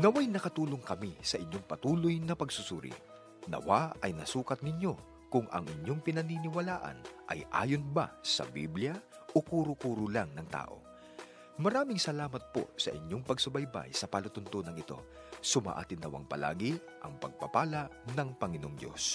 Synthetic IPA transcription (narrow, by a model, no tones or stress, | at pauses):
nɐwajnɐkɐt̪uːloŋkɐmisɐʔɪɲːo̞ŋpɐt̪uːlo̞jnɐpɐɡsʊsuːɾɪ̰ | nɐ̰waɐjnɐsuːkɐt̪̚ŋɪɲjo̞ | kʊŋɐ̰ŋʔɪɲjo̞ŋpɪnɐninɪwɐlaːʔɐ̰nʔɐjʔa̰ːjonba̰sɐ̰bḭbljɐ | ʔokuːɾʊkuːɾʊlaŋnɐŋt̪a̰ːʔo̞̰ | mɐɾaːmɪŋsɐlaːmɐt̪̚po̞̰sɐ̰ʔɪɲo̞ŋpɐɡsʊbɐjba̰jsɐpɐlʊt̪ʊnt̪onɐŋɪt̪o̞̰ | sʊma̰ːʔa̰ːt̪ɪnːɐwa̰ŋpɐ̰la̰ːɡɪ | ʔɐŋpɐɡ̚pɐpaːlɐnɐŋpɐŋɪno̞ŋd̪jo̞̰s